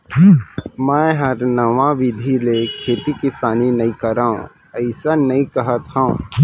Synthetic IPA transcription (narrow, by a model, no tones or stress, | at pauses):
mɛ̃ːɦɐɾnɐʋãʋɪd̪ʱilekʰeːt̪ikɪsaːninɐɦĩkɐɾaːõ̰ | ɐɪsanɐĩkɐɦət̪aṵ̃